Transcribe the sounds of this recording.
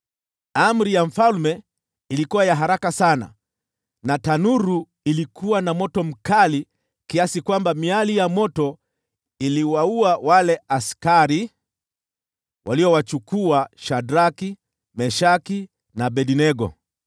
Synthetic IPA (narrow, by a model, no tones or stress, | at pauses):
am̩ɾijaɱ̩falmɛ | ilikuwajaɦaɾakasana̰ | natanuɾu | ilikʰuwanamɔtɔm̩kali | kiasikwambamialijamɔtɔ | iliwauawalɛaskaɾi | wʔaliɔwat͡ʃukuaʃadɾaki | mɛʃaki | naɓɛɗinɛɡɔ̰